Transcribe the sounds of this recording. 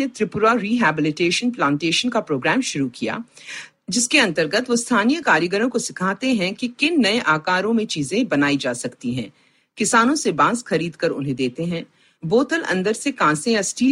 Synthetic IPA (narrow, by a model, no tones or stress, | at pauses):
ẽt̪ɾɪpʊɾaɾiːɦɛːbɪlɪʈeːʃənplãːɳʈeːʃənkapɾoːɡɾɛːmʃʊɾukija̰ː | d͡ʒɪskeɐ̃nt̪əɾɡət̪ʋost̪ʰaːnijəkaːɾjəɡəɾõkosɪkʰaːt̪eɦɛ̃kikɪnːɐẽʔaːkaːɾõmẽt͡ʃiːzẽbɐnaːid͡ʒaːsɐkt̪iɦɛ̰̃ː | kɪsaːnõsebãːsxɐɾiːd̪kɐɾʊ̰nɦẽd̪eːt̪eɦɛ̃ː | boːt̪əlɐ̰̃nd̪əɾsekãːsẽjasʈiː